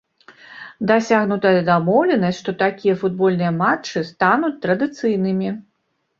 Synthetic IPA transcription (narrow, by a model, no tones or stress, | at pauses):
d̪asʲaɣnut̪ɐjɐd̪amɔwlʲɛnɐsʲtʲʂt̪ɔt̪akʲijɐfud̪̚bɔlʲnɨjɐmat͡ʂːɨst̪anut͡sʲt̪ɾɐd̪ɨt̪sɨjnɨmʲi